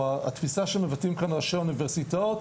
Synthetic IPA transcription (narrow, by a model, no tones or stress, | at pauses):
aa̰t̪fisaʃemevatimkanʁaʃeunivɛʁsitot